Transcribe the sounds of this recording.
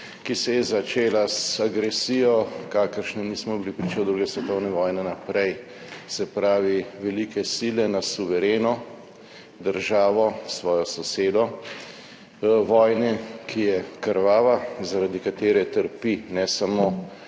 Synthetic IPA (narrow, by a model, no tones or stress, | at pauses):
kisɛjɛzat͡ʃeːlasaɡɾɛsijɔkaːkəɾʃnɛnismɔbilipɾiːt͡ʃɛwd̪ɾuːɡɛsʋɛt̪ɔwnɛʋɔːjnɛnapɾɛj | sɛpɾaːʋiʋɛlikɛsilɛnasuʋɛɾeːnɔ | d̪əɾʒaːʋɔsʋɔːjɔsɔseːd̪ɔ | ʋɔːjnɛkʰijɛkəɾʋaːʋazaɾad̪ikat̪eːɾɛt̪əɾpinɛsamoː